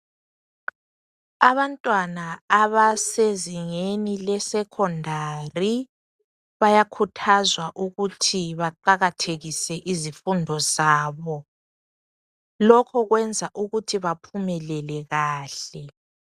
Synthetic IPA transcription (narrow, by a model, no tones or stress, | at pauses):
aβantʼwanaːβaseziŋenilɛsɛkʰɔndʱari | βajakʰutʰazwaʔuɣutʰiβaǃaɣatʰeɣisɛʔizifundʱɔzaːβɔ | lɔkʰɔɣwɛnd͡zʱaʔuɣutʰiβapʰumɛlɛlɛɣaːɬɛ